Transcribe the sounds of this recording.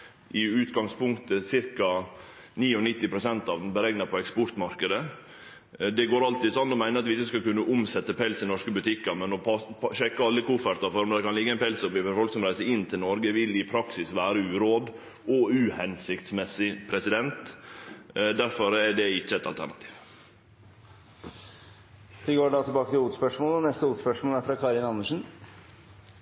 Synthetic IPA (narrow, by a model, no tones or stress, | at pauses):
ʔɪʉːt̪ɡɑŋspʊŋkt̪əsɪɾkɑniːɔnɪt̪ːɪpɾʊsɛnt̪ɑʋd̪n̩bəɾɛŋnɑpʰɔɛkspɔɾt̪mɑɾkəd̪ə | d̪ɛɡoːɾɑlt̪iːd̪sɔnːɔmæɪnəɾɑt̪ʋɪɪçːəskɑkʉnːəʔʊmsɛt̪ːəpʰɛlsɪnɔʂkəbʉt̪ʰɪkːɑɾmɛnɔpɑʃɛkːəɑlːəkuːfəɾt̪ɑfɔɾmd̪ɛkɑnlɪɡːəɛɪnpʰɛlsɔpɪɔɾfɔlksɔmɾæɪsəɪnːt̪ʰɪlnɔɾɡəʋɪlɪpʰɾɑksɪsʋæːɾəʉːɾoːd̪ | ɔʉːhɛnsɪkt̪smɛsːɪpʰɾɛsɪd̪ɛnt̪ | d̪æɾfɔɾɛɖɛɪçːəɛt̪ɑ̰lt̪ʰæ̰ɾɳɑt̪ʰi̥ːʋ | ʋɪɡoːɖɑːt̪ʰɪlbɑːkət̪ɪluːt̪spœʂmoːlɔnɛst̪əuːt̪spœʂmoːlæɾfɾɑːkʰɑːɾɪnɑnːəʂn̩